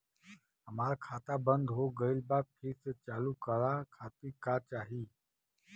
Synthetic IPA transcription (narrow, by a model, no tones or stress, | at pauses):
ɦəmaːɾkʰaːt̪abə̃nd̪ʱɦoːɡəɪlbaːpʰɪɾset͡ʃaːlukəɾakʰaːt̪ikaːt͡ʃaːɦiː